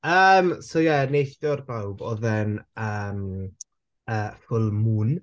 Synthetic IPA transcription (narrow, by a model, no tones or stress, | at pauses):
əmsojɛnejθdɔrbawbɔ̰ðɛnəːm | əːfʊlˠmuːn